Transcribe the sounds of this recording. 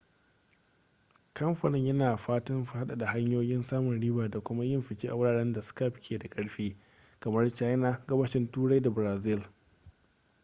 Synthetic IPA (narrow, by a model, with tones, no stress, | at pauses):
kɐ˦mɸɐ˨nɪ˦ɲjɐ˦naː˨ɸaː˦tɪ˦mɸha˦ɗa˨da˨ha˦ɲjoː˦jɪ˦nsaː˦mʊ˨nɽiː˦baː˨da˨kʷʊ˦ma˦jɪ˦mɸɪ˨t͡ʃeː˦ʔa˨wʊ˦ɽaː˨ɽɐ˦nda˨sʊ̥˦ka˦˨pkʲʰeː˨da˨kʼɐ˦ɽɸeː˦ | kɐ˨mɐ˦rt͡ʃaː˦jna˦ɡɐ˦bɐ˦ʃɪ˦ntuː˦ɽa˦jda˨bɾaː˨zɪ˦l